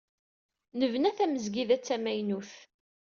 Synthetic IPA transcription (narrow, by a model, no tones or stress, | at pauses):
nəvnæθæməzɡiðæt͡sːæmæjnuθ